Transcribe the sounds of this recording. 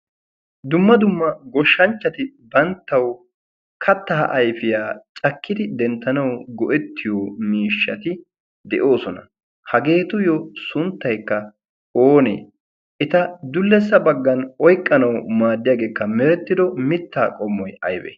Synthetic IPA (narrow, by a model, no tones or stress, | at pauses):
d̪ʊmːɐd̪ʊmːɐɡɔʃːɐnt͡ʃːɐt̪ɪbɐnt̪ːɐw | kʰɐt̪ːɐ̰ʔɐjfɪjaːt͡ʃʼɐkːɪd̪ɪd̪ɛnt̪ːɐnɐwɡɔʔɛt̪ːɪjoːmiːʃːɐt̪ɪ | d̪ɛʔo̞ːsɔnɐ | hɐɡe̞ːt̪ʊjɔsʊnt̪ːɐjkːɐ | oːnḛː | ʔɛt̪ɐd̪ʊlːɛs̬ːɐbɐɡːɐnɔjkʼːɐnɐwmaːd̪ːɪjaːɡe̞ːkːɐmɛɾɛt̪ːɪd̪ɔmɪt̪ːaːkʼɔmːɔjɐ̰jbɛ̰